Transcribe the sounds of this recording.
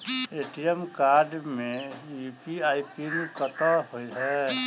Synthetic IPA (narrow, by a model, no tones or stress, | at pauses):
eʈijəmkaːɾɖmẽjupiaːipinikət̪ahoiɦɛ